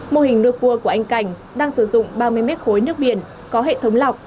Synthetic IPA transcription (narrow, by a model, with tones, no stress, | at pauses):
mo˧hï˨˩ŋ̟nu˧jku˧əku˧˩əʔa˧jŋ̟ka˧˩jŋ̟ | ɗaː˧ŋsɨ˧˩zʊ̰˧˨ŋ͡mɓaː˧mɨ˧jmɛ˦˥t̚xo˨˦jnɨ˦˥ək̚ɓḭ˧˨ən | kɔ˨˦ɦḛ˧˨t̪ʰə˨˦ŋ͡mla˨˩wk͡p̚